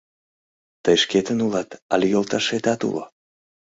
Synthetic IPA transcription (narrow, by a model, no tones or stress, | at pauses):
t̪əjʃket̪ənulɑt̪ɑ̰lʲejolˠt̪ɑʃet̪ɑt̪ṵlo̰